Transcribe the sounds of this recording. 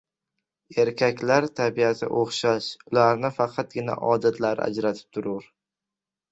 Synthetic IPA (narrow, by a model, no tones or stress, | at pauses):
e̞ɾkʲʰakʲlaɾt̪ʰabiasɪ̰ʔoχʃaʃʊlaɾnɪfɑqʰɑt̪̚ɡʲɪna̰ʔɒd̪at̪ʰlaɾa̰d͡ʒɾat̪ʰɪ̥p̚t̪ʰʊɾʊɾ